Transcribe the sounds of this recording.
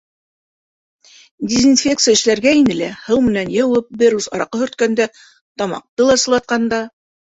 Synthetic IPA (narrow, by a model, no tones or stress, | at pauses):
dʲezinfʲek̚t̪sɨjæɘ̆ʃlæɾɡæinɘ̆læhɤwmɘ̆nænjɤ̆wɤp̚bɘɾusɑ̰ɾɑqɤhɵ̆ɾt̪̚kænd̪æ | t̪ɑmɑ̰q̚t̪ɤlˠɑsɤ̆lˠɑt̪̚qɑnd̪ɑ